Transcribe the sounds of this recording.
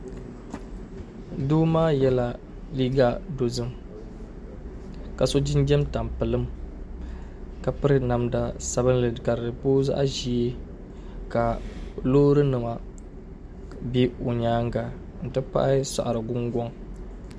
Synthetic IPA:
duː˦maː˦jɛ˦la˨ | liː˦ɡa˦do˨zɨ˦m | ka˨so˦d͡ʒɪ˦nd͡ʒɛ˦mta˨mpɨ˨lɨ˦m | ka˨pɨ˦ɾɨ˦na˨mda˨sa˦βɨ˦n˦lɨ˨ka˨ɾɨ˨po˦za̰˦ʔʒi˦e˦ | ka˨loː˦ɾɨ˦nɨ˨ma˨ | bi˦o˨ɲaː˦ŋɡa˨ | n̩˨tɨ˦pa̰˦ʔa˦sa̰˨ʔa˨ɾɨ˨ɡʊ˦ŋɡʷɔ˦ŋ

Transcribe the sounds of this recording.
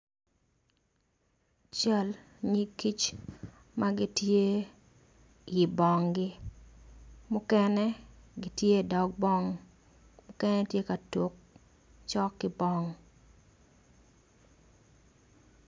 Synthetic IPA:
t͡ʃa˦l | ɲi˦ki˦t͡ʃ | ma˦ɡɪ˦tje˦ | jɪ˨bɔ˨ŋɡɪ˦ | mʊ˦kɛ˦nɛ˦ɡɪ˦tje˦˨dɔ˨k̚bɔ˦ŋ | mʊ˦kɛ˦nɛ˦tje˦ka˨to˨k | t͡ʃɔ˦kːɪ˦bɔ˦ŋ

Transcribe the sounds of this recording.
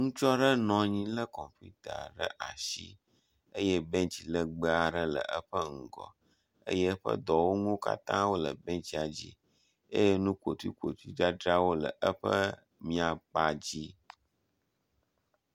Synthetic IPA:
ŋũ˦t͡ʃɔ˦ɖə˦nɔ̃˨ɲĩ˦lə˦kɔ˨mpṵ˦t̪a̰˨ɖə̰˦ʔa̰˨ʃḭ˦ | ə˦jɛ˦bɛ̃˦t͡ɕi˨lə˦ɡ͡bə˦a˨ɖə˦lə̰˨ʔə˦ɸə˦ŋ̩˨ɡɔ̰˨ | ḛ˦jɛ˦ɸə̰˦d̪ɔ˨wo˦ŋũ˦ka̰˦t̪ã˦wo˦lə˨bɛ̃˦t͡ɕi˦a˨d͡ʑḭ˦ | ḛ˦jɛ˦nũ˦ko˨t̪wḭ˦kʷo˨t̪u˦i˦d͡ʒa˦dɾa˦wo˦lə˨ʔə˦ɸə˦ | mĩ˦a˨k͡pa˦d͡ʑi˦

